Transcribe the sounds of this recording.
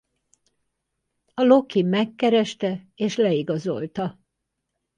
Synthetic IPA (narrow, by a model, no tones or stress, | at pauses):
ɒlo̞kimɛkːɛɾɛʃt̪ɛeːʃlɛiɡɒzo̞̰lt̪ɒ